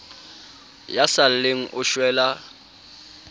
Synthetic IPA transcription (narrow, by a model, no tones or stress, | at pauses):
jasal̩leŋ̩ʔʊʃwɛːla